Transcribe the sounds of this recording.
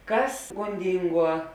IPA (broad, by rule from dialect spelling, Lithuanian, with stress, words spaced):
ˈkɐs ɡoːnʲˈdʲɪŋˌɡuɔ